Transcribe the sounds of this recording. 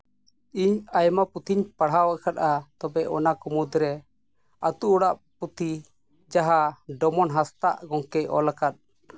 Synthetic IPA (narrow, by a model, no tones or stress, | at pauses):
iɲajmaput̪ʰiɲpaɽ̤awaʔkʰat̪̚at̪ɔbɛʔɔnakumud̪ɾɛ | at̪uʔɽaʔput̪ʰi | d͡ʒaɦaɖɔmɔnɦast̪aʔɡɔŋkɛjʔɔ̰lakat̪̚